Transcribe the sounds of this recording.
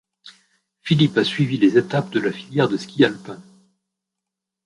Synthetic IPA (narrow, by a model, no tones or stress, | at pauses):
filipasɥivilezet̪apd̪əlafiljɛʁd̪əskʲialpɛ̃